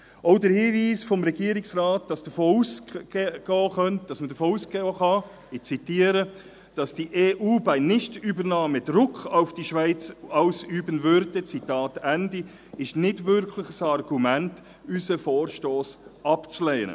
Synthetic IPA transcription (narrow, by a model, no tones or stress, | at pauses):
ɔʊdəɾhiːviːsfɔmɾɛɡiəɾɪksɾɑːt̚d̥ɑsd̥əfoːusɡ̥ɔːχœnt̚d̥ɑsmədəfoːuːsɡ̥ɔːχɑ | ɪt͡sitiːəɾə | d̥ɑsd̥iʔeːʔuːbæɪnɪʃtybəɾnɑːmədɾʊkʰχaʊfd̥iʃvæɪt͡sɑʊsyːbənvøɾdət͡sitɑːtændi | ɪʃnɪdvʏɾkʰlɪχəsɑɾɡumænt | ysəfoːɾʃtoːsɑpt͡sleːnə̰